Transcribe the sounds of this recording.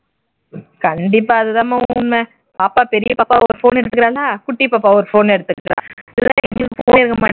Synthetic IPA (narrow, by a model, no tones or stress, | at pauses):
kɐɳɖɪpːaːɐðɯt̪ãːmãːʊnme | paːpaːpɛɾɪjɐpaːpːaɔɾɯfoːnɛɽɯt̪ːɯkːɪɾaːlaːkʊʈːipaːpːaːɔɾɯfoːnɛɽɯt̪ːɯkːɾã̰ːɪlːãːɛɛŋɡɐɭɯkːɯfo̰ːnɪɾɯkɡɐmaː